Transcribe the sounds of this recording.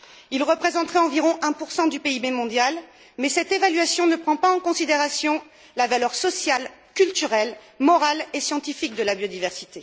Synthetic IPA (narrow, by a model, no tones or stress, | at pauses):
ilʁəpχezɑ̃t̪χɛɑ̃viʁɔ̃ʔɛ̃puʁsɑ̃d̪ypeibɛmɔ̃d̪jal | mɛsɛt̪evalɥasjɔ̃nəpχɑ̃paɑ̃kɔ̃sid̪eʁasjɔ̃ | lavalœʁsɔsjalkʲylt̪yʁɛl | mɔʁalesjɑ̃t̪ifik̚d̪əlabjod̪ivɛʁsi̥t̪e